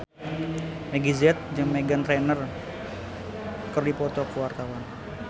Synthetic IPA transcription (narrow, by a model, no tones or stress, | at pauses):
meɡizɛt̪̚d͡ʒɨŋmeɡant̪ɾɛnər | kərdipɔt̪ɔkəwart̪awan